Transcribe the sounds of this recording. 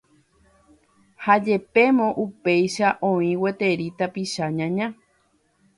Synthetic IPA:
had͡ʒe̞pe̞mõʔupe̞jʃaʔõĩwe̞t̪e̞ɾit̪apiʃaɲãɲã

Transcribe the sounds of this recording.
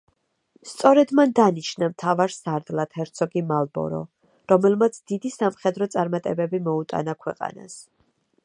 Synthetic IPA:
st̪sʼɔɾɛd̪mand̪aniʃnamt̪ʰavaɾsaɾd̪lˠat̪ʰɛɾt̪sʰɔɡimalˠbɔ̰ɾɔ̰ | ɾɔmɛlmat̪sʰd̪̥id̪isamχɛd̪ɾɔt̪sʼaɾmat̪ʼɛbɛbimɔut̪ʼa̰nakʰwɛqʼa̰na̰s

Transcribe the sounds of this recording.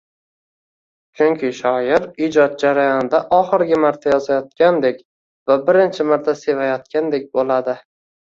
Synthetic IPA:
t͡ʃʰʊŋkʲʰɪʃɒjɪɾɪd͡ʒɒt̪̚d͡ʒaɾajɒnɪd̪aʔɒχɨɾɡʲɪmaɾt̪ʰajɒzajɒt̪̚kʲand̪e̞kʲ | vabɪɾɪnt͡ʃʰɪmaɾt̪ʰase̞vajɒt̪̚kʲʰand̪e̞k̚ʲbolad̪ɪ

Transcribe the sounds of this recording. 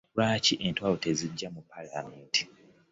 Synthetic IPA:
laːciʔe̞ntwawoteziɟːamupʰːalameːnti̥

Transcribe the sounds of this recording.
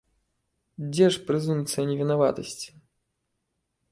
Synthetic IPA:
d͡zʲɛʂpɾɨzumt̪sɨjɐnʲɛvʲinava̰t̪ɐsʲt͡sʲi̥

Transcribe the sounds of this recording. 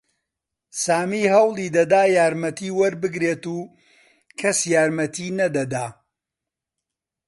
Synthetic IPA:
saːmiːhɐwlˠid̪ɐd̪aːjaːɾmɐt̪ʰiːwɐɾbɨɡɾeːt̪uː | kʰɐsjaːɾmɐt̪ʰiːnɐd̪ɐd̪aː

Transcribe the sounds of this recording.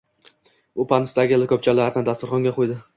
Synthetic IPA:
bʊpʰanɪst̪aɡʲɪlɪkʰɵp̚t͡ʃʰalaɾɪnɪd̪ast̪ʊɾχɒŋɡʲaqʰojd̪ɪ

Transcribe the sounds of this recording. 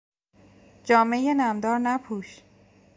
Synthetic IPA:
d͡ʒɒːmejenæmd̪ɒːɾnæpʰuːʃ

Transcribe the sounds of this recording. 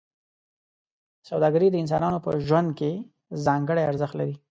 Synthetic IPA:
sawd̪ɑɡəɾid̪əɪns̬ɑnɑnopə̰ʒwand̪̚ke | zɑŋɡəɽajaɾzəxt̪laɾi

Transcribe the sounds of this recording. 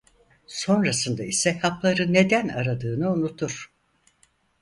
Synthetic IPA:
so̞nɾasɯnd̪aisɛhaplˠaɾɯnːe̞d̪ænaɾad̪ɯːnɯunut̪ʰuɾ̥

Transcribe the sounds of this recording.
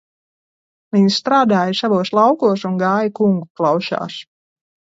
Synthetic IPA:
viɲsst̪ɾaːd̪aːjasavuɔslˠawkuɔsunɡaːjikuŋɡuklˠɑwʃa̰ːs

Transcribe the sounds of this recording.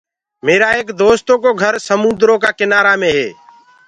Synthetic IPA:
meːɾaːeːkd̪oːst̪õːkoːɡʱəɾsəmʊnd̪ɾõːkaːkɪnaːɾaːmẽːɦḛː

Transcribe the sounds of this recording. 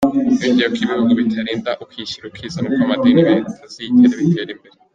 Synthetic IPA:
βiɟejokʰiβioɡoβitʰaɾiːndaʔukwiʃiɾokwiːzanukamadeːnzitʰaziitʰeːɾeβitʰeːɾimbe̞ɾe

